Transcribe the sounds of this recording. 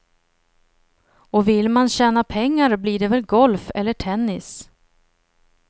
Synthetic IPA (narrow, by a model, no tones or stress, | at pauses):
ɔvɪlmanɕɛːnapʰɛŋːaɾbliːɖɛvɛlɡɔlfɛlːəʈʰɛnːɪs